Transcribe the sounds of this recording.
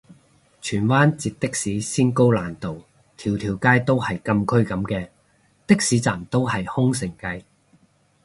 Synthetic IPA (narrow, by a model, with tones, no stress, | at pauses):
t͡ʃʰyː˨˩nwaː˥nt͡siː˧t̚t̪ɪ˥k̚siː˨˥siː˥nko˥wlaː˨˩nt̪o˨w | t̪ʰiː˨˩wt̪ʰiː˨˩wkaː˥jt̪o˥whɐ˨jkɐ˧mkʰɵ˥ɥkɐ˨˥mkɛː˧ | t̪ɪ˥k̚siː˨˥t͡saː˨˩mt̪o˥whɐ˨jhʊ˥ŋsɪ˨˩ŋkɐ˧j